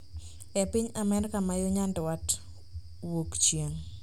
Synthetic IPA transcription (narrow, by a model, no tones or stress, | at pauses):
ɛpɪɲamɛɾɪkamajoɲandwat | wokt͡ʃjeŋ